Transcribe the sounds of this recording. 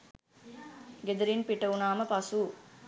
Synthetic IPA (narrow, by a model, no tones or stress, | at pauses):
ɡed̪ɐɾinpiʈːɐunaːmɐpɐsu